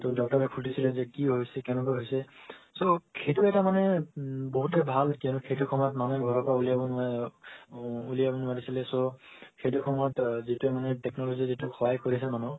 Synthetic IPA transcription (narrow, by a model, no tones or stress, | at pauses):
todɔk̚taɹɛkʰutisilɛzɛkiɦojsɛkɛ̃nɛkɔjɦojsɛsokʰejtuɛtamanɛboɦutɛbʱalkɛnukʰetukʰɔmɔtmanɔɡʱɔɹɔpɹaulijabɔn | ulijabɔnaɹisilɛsokʰejtukʰɔmɔtzituɛmanɛtɛknɔlozizitukʰajkoɹisɛmanɔ